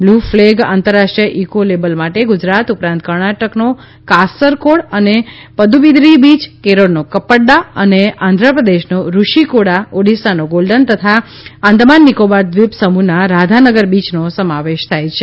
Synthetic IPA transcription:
blufleɡa̰nt̪əɾːaʃʈɾijəʔikolebəlmaʈeɡud͡ʒɾat̪upɾãnt̪̚kəɾɳaʈəkno | kasəɾkoɽəne | pəd̪uʋid̪ɾibid͡ʒkeɾoɽnokəpəɽɖaəneãnd̪ʱɾəpɾəd̪eʃnoɾuʃikoɽaoɖisanoɡolɖənt̪ət̪ʰa | ãnd̪manːikobaɾd̪ʋipsəmunaɾad̪ʱanəɡəɾbit͡ʃnosəmaʋeʃt̪ʰajt͡ʃʰe

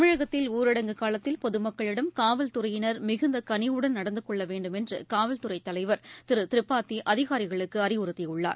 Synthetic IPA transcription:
ɐmɪɻɐɣɐt̪ːɪluːɾɪɽɐŋɡɯkaːlɐt̪ːɪlpɔðɯmɐkːɐɭɪɽɐmkaːʋɐlt̪ʊrɐjɪnɐɾmɪɣɯnd̪ɐkɐnɪjɯɽɐnnɐɽɐnd̪ɯkɔɭːɐʋeːɳɖɯmɛndrɯ̰kaːʋɐlt̪ʊrɐɪt̪ːɐlɐɪʋɐɾt̪ɪɾɯt̪ɪɾɪpːaːt̪ːiʔɐðɪɣaːɾɪɣɐɭɯkːɯɐrɪʊɾɯt̪ːɪʊɭːa̰ː

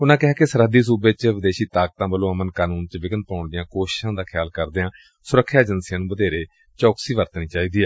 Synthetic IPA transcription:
ʊnãːkɪɦaːkesəɾɦəd̪iːs̬uːbeːt͡ʃʋɪd̪eːʃiːt̪aːk̚t̪ãːbəlõːəmənkaːnuːnt͡ʃəʋɪɡən̚paːʊɳd̪ɪjãːkoːʃɪ̥ʃãːd̪aːkʰɪjaːlkəɾd̪eãː | sʊɾəkʰːjaːd͡ʒənsjãːnũːbəd̪eːɾeː | t͡ʃɔːksiːʋəɾt̪niːt͡ʃaːiːd̪iːɛː

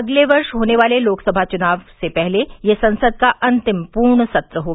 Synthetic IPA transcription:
ɐɡleʋɐɾʃɦoːneʋaːleloːksəbʱat͡ʃunaːʋsepɛɦlejesɐ̃nsəd̪̚kaʔɐ̃nt̪ɪmpuːɾɳəsɐt̪ɾəɦoː

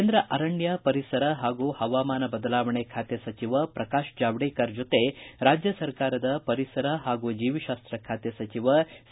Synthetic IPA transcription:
eːnd̪ɾɐʔɐɾɐɳjɐpɐɾisɐɾɐɦaːɡuːhɐʋaːmaːnɐbɐd̪ɐlaːʋɐɳekʰaːt̪jesɐt͡ʃiʋɐpɾɐkaːʃd͡ʒaːʋɽeːkɐɾd͡ʒot̪eɾaːd͡ʒjɐsɐɾkaːɾɐd̪ɐpɐɾisɐɾɐɦaːɡuːd͡ʒiːʋiʃaːst̪ɾɐkʰaːt̪jɐsɐt͡ʃiʋɐ

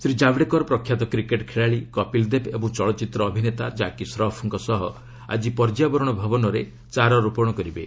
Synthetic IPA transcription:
sɾid͡ʒabɽekɔɾɔpɾɔkʰjat̪ɔkɾikeʈkʰeɭaɭikɔpild̪epebɔŋt͡ʃɔɭɔt͡ʃit̪ɾɔːbʱinet̪ad͡ʒakisɾɔpʰɔŋkɔsɔɦɔ | a̰d͡ʒipɔɾd͡ʒijabɔɾɔɽ̃ɔbʱabɔnɔɾe | t͡ʃaɾɔɾupɔɽ̃ɔkɔɾibe

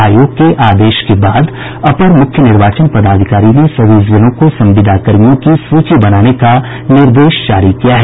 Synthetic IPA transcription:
aːjoːɡ̚keʔaːd̪eːʃkebaːd̪ | ɐpəɾmʊkʰjənɪɾʋaːt͡ʃənpɐd̪aːd̪ʱɪkaːɾimẽsɐbizd͡ʒənõkosɐ̃mʋɪd̪ʱakəɾijõkisuːt͡ʃibɐnaːneka | nɪɾd̪eːʃd͡ʒaːɾikijaɦɛː

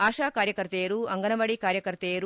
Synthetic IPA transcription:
aːʂaːkaːɾjɐkɐɾt̪eːɾuɐŋɡɐnɐʋɐɽikaːɾjɐkɐɾt̪eːɾu

